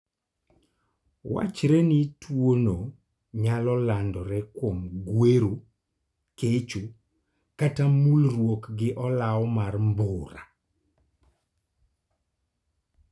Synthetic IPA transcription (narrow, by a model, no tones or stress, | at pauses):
wa̰t͡ʃɾɛnitwono | ɲalɔlandɔɾɛkwomɡweɾo | ket͡ʃo | katamulrwokɡɪʔɔlaɔmarmbʊɾa̰